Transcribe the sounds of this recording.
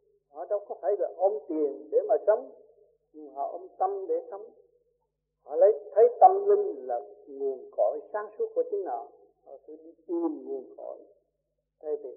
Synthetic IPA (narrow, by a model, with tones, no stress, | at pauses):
hɔ̰˧˨ɗə˧˦wkɔ˨˦fʰaː˧˨˦jlaː˨˩ʔə˧wŋ͡mt̪i˨˩ənɗe˧˨˦maː˨˩sə˨˦m | ɲ˨˩ɦɔ̰˧˩ʔə˧wŋ͡mt̪ə˧mɗe˧˦sə˧˦m | hɔ̰˧˩lə˨˦jt̪ʰə˨˦jt̪a˧ŋli˧ŋlaː˨˩ŋu˨˩ənkɔ˨˦jsaː˨˦˥ŋsu˨˦˥ku˧˦t̪i˧˦ŋnaː˨˩w | hɔ̰˧˨˩t̪ʰə˧˦ɗi˧ɨ˨˩nŋu˨˩ənkɔ̰˧˩˦j | t̪ʰa˧jt̪ʰi˨˩˨